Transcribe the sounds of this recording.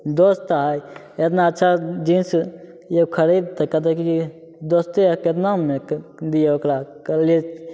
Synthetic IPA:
d̪ost̪aɦəj | et̪naətːʃʰad͡ʒins | jekʰəɾid̪̚t̪ɐkət̪̬ekiki | d̪oːst̪eeket̪namẽd̪ijeokɾakəle

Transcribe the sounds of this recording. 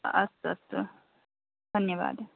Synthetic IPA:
ɐ̰st̪ɐ̰t̪ː | d̪ʱɐnjɐʋa̰ːd̪

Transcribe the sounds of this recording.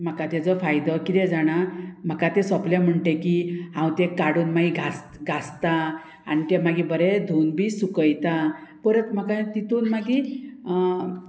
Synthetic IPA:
m̤əkat̪ed͡zɔfajd̪ɔkit̪ɛd͡zaɽ̃am̤əkat̪esɔpljam̤əɳʈekiɦãw̃t̪ɛkaɽuːnmaɡiɡʱas | ɡʱast̪a | a̰ñit̪ɛmaɡibəɾɛd̪ʱunbisukəjt̪apəɾət̪m̤akat̪it̪unmaɡi

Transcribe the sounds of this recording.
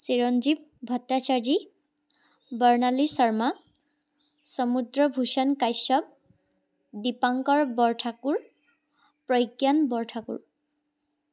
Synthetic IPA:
siɹɔnd͡ʒib̚bʱɔtːat͡ʃaɹd͡ʒi | bɔɹnalisɔɹma | sɔmudɹɔbʱusankajsɔb̚ | dipaŋkɔɹbɔɹʈʰakuɹ | pɹɔjkjanbɔɹtʰakṵɹ

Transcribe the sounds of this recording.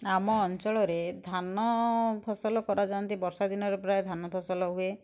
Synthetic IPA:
amɔːnt͡ʃɔɭɔɾed̪ʱanɔpʰɔsɔlɔkɔɾad͡ʒant̪ibɔɾsad̪inɔɾepɾaed̪ʱanɔpʰɔsɔlɔɦue

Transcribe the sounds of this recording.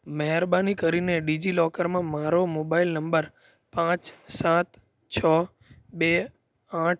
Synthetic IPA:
məɦɛɾbanikəɾineɖid͡ʒilɔkəɾmãmaɾomobailnəmbəɾ | pãt͡ʃsãt̪ | t͡ʃʰə | be | ãʈ̚ʰ

